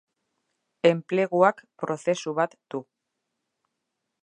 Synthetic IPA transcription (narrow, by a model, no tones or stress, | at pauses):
e̞mple̞ɣuakpɾo̞θe̞suβat̪d̪̥u